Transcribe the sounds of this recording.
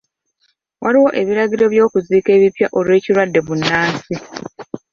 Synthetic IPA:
waɾiwo̞ʔe̞βiɾaɟiɾo̞βjo̞ːkuziːke̞ːβipjaʔo̞lwe̞ːciɾwadːe̞βunːaːnsi

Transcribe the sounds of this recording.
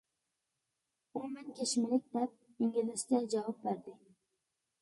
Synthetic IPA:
ʊmɪnkʲʰeʃmɪlɪk̚ʲd̪ap̚ | ɪŋʲɪlɪskʲad͡ʒavɑp̚beɾd̪ɪ

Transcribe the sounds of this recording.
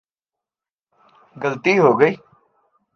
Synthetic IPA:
ɡɐlt̪iːɦoːɡəiː

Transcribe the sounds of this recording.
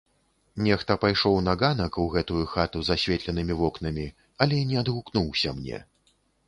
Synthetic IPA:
nʲɛxt̪ɐpajʂɔwnaɣanɐkuɣɛt̪ujuxat̪uzasʲvʲɛt̪lʲɛnɨmʲivɔknɐmʲi | ɐlʲɛnʲɛɐd̪ɣuknuwsʲɐmnʲɛ̰

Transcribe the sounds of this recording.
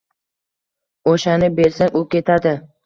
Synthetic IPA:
oʃanɪbe̞ɾsaŋʊkʲe̞t̪ʰad̪ɪ

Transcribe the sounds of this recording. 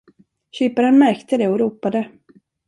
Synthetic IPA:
ɕyːpaɾənmæɾkt̪əd̪ɛɔɾuːpad̪ə

